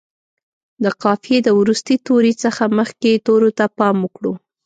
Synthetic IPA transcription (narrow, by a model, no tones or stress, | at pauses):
d̪əqɑfjed̪əwɾust̪it̪oɾit͡səxaməxket̪oɾot̪apɑməkɽu